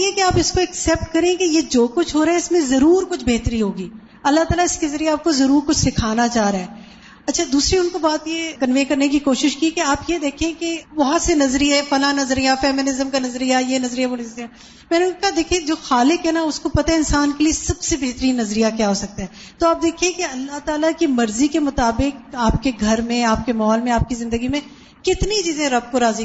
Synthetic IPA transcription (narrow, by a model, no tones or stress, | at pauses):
jɛkeaːpɪskoɛksɛːp̚ʈkɐɾẽkejed͡ʒoːkʊt͡ʃʰɦoːɾaːɦɛɪsmẽzɐɾuːɾkʊt͡ʃʰbeɦt̪əɾiɦoːɡiː | ɐlːaɦt̪aːlaɪskezɐɾieaːp̚kozɐɾuːɾkʊt͡ʃʰsɪkʰaːnat͡ʃaːɦɾaːɦɛː | ɐtːʃʰad̪uːsɾiʊnkobaːt̪jekɐnʋeːkɐɾnek̬ikoːʃɪʃkikeaːpjed̪eːkʰẽkeʋɐɦãsenɐzɾiɦɛfɐlanɐzɾijafɛːmɪnɪzəmkanɐzɾijajenɐzɾiɛʋonɐzɾia | mɛ̃ːneʊnkokɐɦad̪eːkʰẽd͡ʒoːxaːlɪkɦɛnaʊskopɐt̪aɛɪnsaːnkeliesɐbsebeɦt̪əɾiːnːɐzɾijakjaːɦoːsɐk̚t̪aɦɛː | t̪oaːp̚d̪eːkʰĩẽkeɐlːaɦt̪aːlakimɐɾzikemʊt̪aːbɪk̚aːpkeɡʱɐɾmẽaːp̚kemɐɦɔːlmẽaːp̚kizɪ̃nd̪əɡimẽ | kɪt̪nit͡ʃiːzẽɾɐb̚koɾaːzi